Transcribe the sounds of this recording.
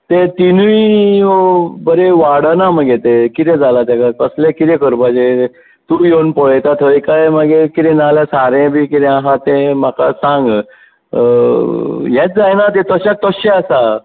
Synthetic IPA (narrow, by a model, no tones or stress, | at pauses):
t̪et̪inuiobəɾeʋaɽənaməɡet̪ekit̪ɛ̃d͡zalat̪akakəslekit̪ɛ̃kəɾpad͡ʑe | t̪ujonpɔɭt̪at̪ʰəikajmaɡekit̪ɛ̃nalasaɾẽbʱiːkit̪ɛaɦãt̪ẽmakasãŋɡ | jɛt͡sd͡zajnat̪et̪əɕak̚t̪əɕeasa